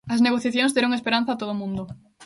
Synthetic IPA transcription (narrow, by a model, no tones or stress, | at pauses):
ɐsneɣ̞oθjaθjõŋzd̪eɾõŋespeɾãn̟θaːt̪oð̞omũnd̪ʊ